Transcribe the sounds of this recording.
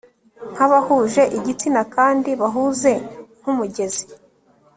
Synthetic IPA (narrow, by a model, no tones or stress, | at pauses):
ŋ̥haβahuːʒe̞ʔiɟit͡sinakaːndiβaɦuze̞ŋ̥humuɟe̞zi